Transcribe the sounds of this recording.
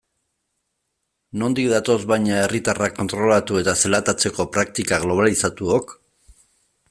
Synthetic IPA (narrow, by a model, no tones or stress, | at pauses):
no̞nd̪ikðat̪o̞zβajɲae̞rit̪arakːo̞nt̪ɾo̞lat̪ue̞t̪aselat̪at͡se̞ko̞pɾakt̪ikaɣlo̞β̞alisat̪uok